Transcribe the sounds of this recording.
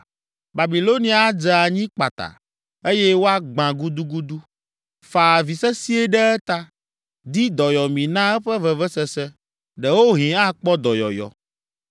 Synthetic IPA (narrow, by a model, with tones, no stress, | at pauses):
ba˨bi˨lo˦nĩ˦a˨˦d͡ʒɛ˨a˨ɲĩ˦k͡pa˨t̪a̰˨ | e˦jɛ˦wo˦a˦ɡ͡bã˨ɡu˦d̪u˦ɡu˦d̪u˦ | fa˨vi˨sɛ˦si˦e˦ɖɛ˦ɛ˦t̪a˦ | d̪i˦d̪ɔ˨jɔ˨mĩ˨nã˦ɛ˦ɸɛ˦vɛ˨vɛ˦sɛ˦sɛ˦ | ɖɛ˨wo˦ɦĩ˨a˦k͡pɔ˦d̪ɔ˨jɔ̰˨jɔ̰˨